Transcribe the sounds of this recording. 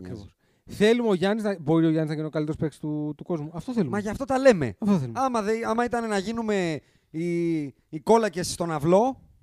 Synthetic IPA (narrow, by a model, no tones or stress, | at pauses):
kɾios | θe̞lumeoʝɐniznɐbo̞ɾio̞ʝɐniznɐʝiniokɐlit̪eɾospeksi̥t̪ut̪uko̞zmuɐft̪oθe̞lumɐʝɐft̪o̞t̪ɐle̞me̞̰ɐft̪oθelumɐmɐðeɐmɐit̪ɐne̞nɐʝinume̞ | i | iko̞lɐce̞sst̪o̞nɐvlo̞